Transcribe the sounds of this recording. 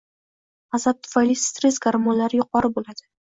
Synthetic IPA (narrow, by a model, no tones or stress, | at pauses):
azap̚t̪ʰʊ̥fajlit̪ɾesɡaɾmonlaɾɪjʊq̚ɒɾɪbolad̪̥ɪ